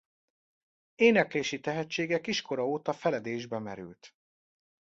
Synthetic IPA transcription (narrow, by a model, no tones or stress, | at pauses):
eːnɛkleːʃit̪ɛɦɛt͡ʃːeːɡɛkiʃko̞ɾɒoːt̪ɒfɛlɛd̪eːʒbɛmɛɾy̰lt̪